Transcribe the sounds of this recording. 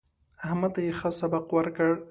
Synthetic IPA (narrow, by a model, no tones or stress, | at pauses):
ahmat̪ajexəsabaqwəɾkəɽ